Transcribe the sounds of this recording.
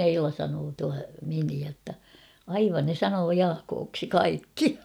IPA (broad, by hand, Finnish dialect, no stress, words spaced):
eilɑ sɑnoː tuɑ miniæ tːɑ ɑiʋɑn ne sɑnoː jɑːkoːksi kɑikːi